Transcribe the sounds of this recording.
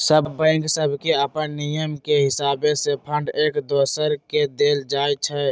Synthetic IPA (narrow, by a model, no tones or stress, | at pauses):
səbbə̃ɪŋɡsəbʱkeəpənːijəmkeɦɪsaːbesepʰə̃ɳɖeːkd̪oːsəɾked̪eːld͡ʒaːjt͡ʃʰɛ